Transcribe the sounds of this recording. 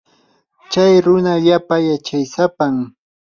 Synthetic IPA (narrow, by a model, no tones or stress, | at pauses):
t͡ʃajɾʊnaʎapajat͡ʃajsapam